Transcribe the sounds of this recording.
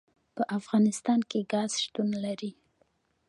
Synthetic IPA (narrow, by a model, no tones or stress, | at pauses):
pəʔafɣɑnɪst̪ɑnkeɡɑz̥ʃt̪unlaɾi